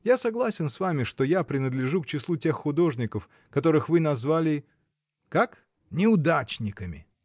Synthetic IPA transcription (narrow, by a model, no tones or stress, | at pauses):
jasɐɡlˠasʲɪnsvamʲɪʂt̪o̞japɾʲɪnəd̪lʲɪʐukt͡ɕɪslˠutʲe̞xːʊd̪o̞ʐnʲɪkəf | kɐt̪o̞ɾɨxvɨnɐzvalʲɪ | kak | nʲɪʊd̪at͡ɕnʲɪkəmʲɪ̰